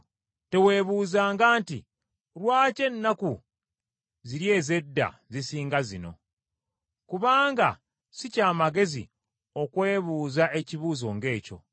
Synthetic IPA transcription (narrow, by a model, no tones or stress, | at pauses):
te̞we̞ːβuːzaːŋɡaːnti | ɾwaːce̞nːaku | ziɾje̞ːze̞dːa̰zisiːŋɡazino̞̰ | kuβaːŋɡa̰ | sicaːmaɡe̞zḭ | o̞kwe̞ːβuːzaʔe̞ciβuːzo̞ŋɡe̞ːco̞̰